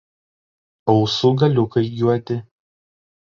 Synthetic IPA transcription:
ɒʊsʊɡɐlʲʊkɐɪjʲuɔt̪ʲɪ

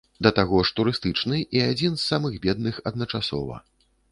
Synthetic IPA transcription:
d̪ɐt̪aɣɔʂt̪uɾɨst̪ɨt͡ʂnɨʔiad͡zʲinsːamɨɣbʲɛd̪̚nɨxɐd̪̚nɐt͡ʂasɔ̰vɐ̰

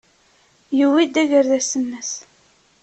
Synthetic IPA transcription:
jəwid̪æʝəɾðæsənːəs

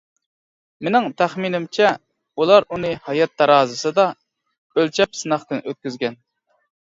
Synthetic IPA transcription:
menɪŋt̪ʰæχminɪmt͡ʃʰɛ | ulˠɑɾunɨhɑjɑt̪̚ːɑɾɑːzɨsɨd̪ɑ | ølt͡ʃʰɛpsɨnɑχt̪ɨnøt̪̚kʲyzɡʲɛn

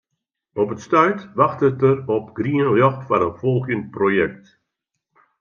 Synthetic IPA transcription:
ɔpətstœɥtʋaxtətərɔpɡ̥riənljɔxtfaɾənfɔlˠɣənprojɛk̚t

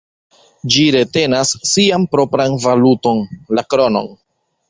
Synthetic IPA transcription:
d͡ʒiɾe̞te̞nasːiampɾo̞pɾanvaluto̞nlakɾo̞no̞̰n

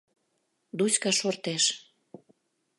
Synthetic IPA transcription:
d̪usʲkɑʃort̪eʃ

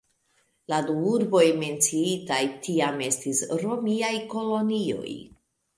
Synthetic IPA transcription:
laduuɾbo̞jme̞nt͡siitajtʰiame̞stisɾo̞miajko̞lo̞nio̞̰j

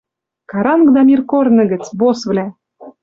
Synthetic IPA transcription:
kɑɾɑnɡd̪ɑmʲirkornɤ̆ɡɘ̆t͡sbosvlæ

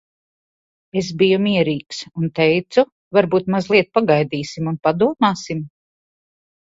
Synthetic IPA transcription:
es̬bijumiɛɾiːksunt̪ɛjt̪su | vaɾbuːt̪mazlˠiɛt̪̚paɡajd̪iːsimunpad̪uɔmaːsim

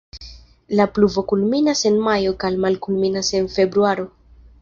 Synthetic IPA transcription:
lapluvo̞kulminase̞nmajo̞kalmalkulminase̞nfe̞bɾuaɾo̞

